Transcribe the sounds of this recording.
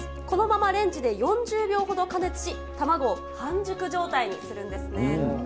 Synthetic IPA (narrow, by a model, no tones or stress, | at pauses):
ko̞no̞mamaɾẽ̞ɲ̟d͡ʑid̪e̞jõ̞ɲ̟d͡ʑɨːbʲo̞ːɦo̞d̪o̞kane̞t͡sɨ̥ɕi | t̪amaɡo̞ | hãɲd͡ʑɨkɯ̟ʑo̞ːt̪aiɲ̟isɨɾɯ̟̃nd̪e̞sɨne̞